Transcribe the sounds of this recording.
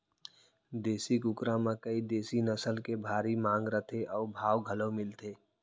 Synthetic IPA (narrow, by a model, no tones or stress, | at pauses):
d̪eːsikʊkɾãmãkəid̪eːsinəsəlkebʱaːɾimãːŋɡɾət̪ʰeʔɔːbʱaːwɡʱəlomɪlt̪ʰeː